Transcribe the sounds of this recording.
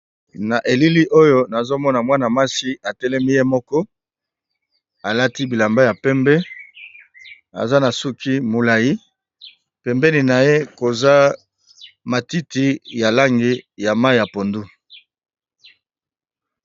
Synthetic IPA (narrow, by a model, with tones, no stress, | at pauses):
na˨ʔe˨li˦li˦ʔo˦jo˦na˨zo˦mɔ˦na˨mwa˦na˨ma˦si˦a˨tɛ˦lɛ˦mi˦je˦mɔ˦kɔ˦ | a˨la˦ti˦bi˨la˨mba˦ja˨pɛ˦mbɛ˦ | a̰˨za˦na˨su˦ki˦mo˨la˨ji˦ | pɛ˨mbɛ˦ni˨na˨je˦ko˨za˦ | ma˨ti˦ti˦ja˨la˦ŋɡi˨ja˨ma˦i˨ja˨po˨ndu˦